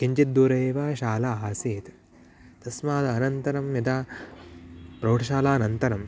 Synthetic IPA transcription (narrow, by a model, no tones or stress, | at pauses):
kiɲt͡ʃit̪̚d̪uːɾɐeːʋaːʃaːlaaːseːt̪ | t̪ɐsmaːd̪ɐːnɐnt̪ɐɾɐmjɐt̪aː | pɾoːʈʰɐʃaːlaːnɐnt̪ɐɾɐm